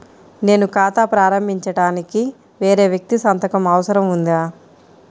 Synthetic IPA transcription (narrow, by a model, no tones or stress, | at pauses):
ne̞ːnukaːt̪aːpɾaːɾɐmbʱiɲt͡ʃɐɽaːniki | ʋe̞ːɾe̞ːʋjɐk̚t̪isɐnt̪ɐkɐmɐʋɐsɐɾɐmund̪iaː